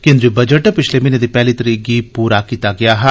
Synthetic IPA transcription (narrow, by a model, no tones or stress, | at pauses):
kɪ̃nd̪ɾibɐd͡ʒəʈpɪt͡ʃʰlemɪned̪ipɛːlit̪ɐɾiːɡipuːɾakiːt̪aɡɪjaɦɛ